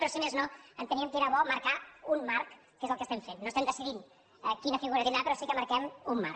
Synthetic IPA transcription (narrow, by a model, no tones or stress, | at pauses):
pɾɔsimeznoənt̪əniəmkeɾəβɔməɾkaunmaɾkː | ezəlˠkəst̪ɛɱfenːost̪ɛmd̪əsiðin | əkinəfiɣuɾɐt̪end̪apɾɔsikəmɐɾkɛmumːa̰ɾ